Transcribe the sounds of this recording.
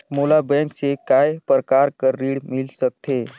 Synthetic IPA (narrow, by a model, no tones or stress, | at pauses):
molabɛ̃ŋksekaepɾəkaɾkəɾːiɽmilsək̚t̪ʰe